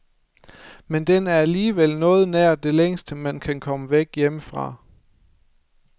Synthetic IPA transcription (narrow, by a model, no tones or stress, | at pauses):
mend̥enæɐæliːʋel̰nɔ̽ːð̞̩ˠnæɐ̰d̥e̝leŋ̰sd̥əmænkʰænkʰɒ̽məʋeɡ̥jeməfʁɑ̈